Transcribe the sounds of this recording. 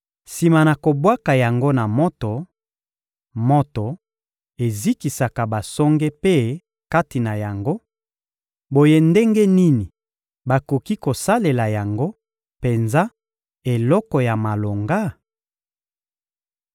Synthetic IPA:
si˨ma˨na˨ko˨bwa˦ka˨ja˨ŋɡo˦na˨mɔ˦to˨ | mo˦to˨ | e˨zi˦ki˨sa˨ka˨ba˨sɔ˦ŋɡe˦pe˦ | ka˦ti˨na˨ja˨ŋɡo˦ | bo˨je˦nde˦ŋɡe˦ni˦ni˨ | ba˨ko˨ki˦ko˨sa˦le˨la˨ja˨ŋɡo˦ | pe˨nza˦ | e˨lɔ˦kɔ˨ja˨ma˨lo˨ŋɡa˦

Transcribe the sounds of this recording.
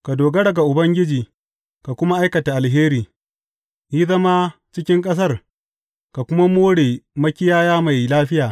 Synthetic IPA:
ka˨doː˨ɡɐ˦ɽɐ˨ɡa˨ʔʊ˨bɐ˦ŋɡʲɪ˦d͡ʒiː˨ | ka˨kʷʊ˦ma˦ʔa˦jkɐ˨ta˨ʔa˨lɦeː˦ɾiː˨ | ji˦zɐ˦ma˦t͡ʃɪ˦kʲɪ˦ŋkʼɐ˦s̬ɐ˦˨r | ka˨kʷʊ˦ma˦moː˦ɽeː˨mɐ˦kʲɪ˦jaː˦jaː˦ma˨jlaː˦ɸɪ˦jaː˨

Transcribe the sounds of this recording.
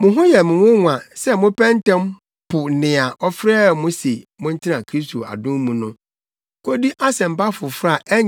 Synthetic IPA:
mʊ̃˨ɦʊ̃˦jɛ˨mʊ̃˨wʊ̃˦ŋʷ˨ã˨sɛ˦mʊ̃˦pʰɛ̃˦n˦tɛ̃˦m | pʰʊ˨nɪ̃˨a˨ʔɔ˦fɾɛː˦˨mʊ̃˦se˨mʊ̃˦n̩˦tʰɪ˦nã˨kʰɾi˦stʰo˨a̰˨dʊ̃˦mmũ˨nʊ̃˦ | kʰo˦di˦ʔa˦sɛ̃˨m̩˨pa˦fʊ˨fɾa˦˨ʔɛ˦ɲ

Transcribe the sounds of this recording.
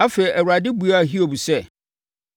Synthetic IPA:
a˦fe˨i˨ʔɛ˨wa˨dɪ˦bu˨a˦˨ɦi˦o˨bu˨sɛ˦

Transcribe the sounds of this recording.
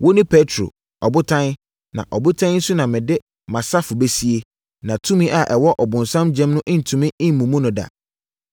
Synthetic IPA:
wo˦nɪ̃˦pʰe˦tʰɾo̰˨ | ɔ˨bʊ˦tʰã˦n | nã̰˨ʔɔ˨bʊ˦tʰã˦n˦n̩˦su˦nã˨mɪ̃˨dɪ˦ | mã˨sa˦fʊ˨be˦si˦e˦ | nã˨tʰũ˦mĩ˦ʔa˨ʔɛ˨wɔ˦ʔɔ˨bʊ̃˨n˨sã˦md͡ʑɛ̃˦mnʊ̃˦ʔɪ̃˦n̩˨tʰũ˨mɪ̃˦ɪ̃˦m̩˨mũ˨mũ˦nʊ̃˨da̰˨

